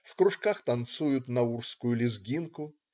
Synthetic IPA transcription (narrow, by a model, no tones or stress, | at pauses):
fkɾʊʂkaxt̪ɐnt̪sujʊt̪nɐurskʊjʊlʲɪzɡʲinkʊ